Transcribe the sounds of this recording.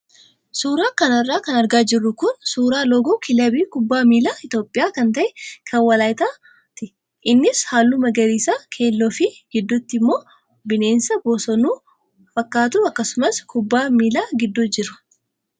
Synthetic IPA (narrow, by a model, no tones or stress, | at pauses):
suːɾaːkɐnɐrːaːkɐnɐɾɡaːd͡ʒɪrːʊkʊnsuːɾaːlɔɡokʰɪlɐbiːkʊbːaːmiːlaːɪt̪jo̞ːpʼːɪjaːkɐnt̪ɐʔɛkʰɐnwɐlaːjɪt̪aː | t̪ɪ | ʔɪnːɪshaːlːuːmɐɡɐɾiːsaːkʰe̞ːlːoːfɪɡ̥ɪd̪ːʊt̪ːɪmːo̞ː | bɪne̞ːnsɐboːsɔnuː | fɐkːaːt̪uːɐkːɐsʊmɐskʊbːaːmiːlaːɡɪd̪ːʊd͡ʒɪɾʊ̥